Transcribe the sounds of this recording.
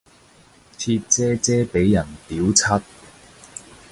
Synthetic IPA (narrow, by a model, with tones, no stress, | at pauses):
t͡sʰiː˧t̚t͡sɛː˥t͡sɛː˥pe˨˥jːɐ˨˩nt̪iː˨˥wt͡sʰɐ˥t̚